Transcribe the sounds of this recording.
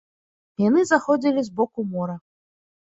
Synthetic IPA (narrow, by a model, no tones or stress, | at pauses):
janɨzaxɔd͡zʲilʲizbɔkumɔɾɐ